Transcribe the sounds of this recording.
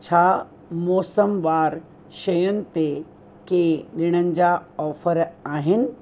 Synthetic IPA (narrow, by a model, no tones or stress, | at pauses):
t͡ɕʰaː | mɔːsəmʋaːɾ | ʃɐjʊnɪ̆t̪e | keɗɪɽ̃ənɪ̆d͡ʑaɔːfəɾaːɦɪnɪ̆